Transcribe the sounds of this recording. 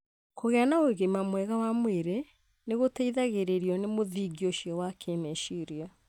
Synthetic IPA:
koɣɛanaoeɣemamwɛɣawamweɾe | neɣotaiðaɣeɾeɾiɔnemoðiːɡioʃiɔwakʰemɛʃiɾia

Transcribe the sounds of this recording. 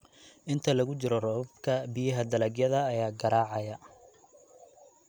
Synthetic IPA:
ʔɪnt̪ʰɐlɐɣʊt͡ʃɪɾɔrɔβɐbkʰɐbɪjɐɦɐd̪ɐlɐɡjɐðɐːjaːɡɐɾaːʕɑjɐ

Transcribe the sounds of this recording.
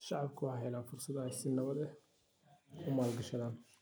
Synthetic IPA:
ʃɑʕɑbkʰʊwħɦɛlaːnfʊrsɐd̪ɐɛsɪnɐβɐd̪ɛ | kʰʊmaːlɡɐʃɐðaːn

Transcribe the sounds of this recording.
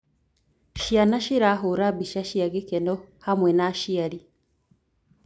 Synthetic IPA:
ʃianaʃiɾaɦuɾabiʃaʃiaɡikenohamwenaʃiaɾi

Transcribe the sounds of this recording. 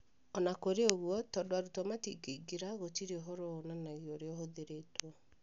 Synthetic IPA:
ɔnakoɾeoɣwɔtɔdwaɾutamatiɡeiɡeɾaɣotiɾeoɦoɾonanaɣiɔɾeɔɦoðeɾetwɔ

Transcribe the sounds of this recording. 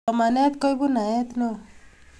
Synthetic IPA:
ɔmanat̪kɔjbunajat̪nɔ

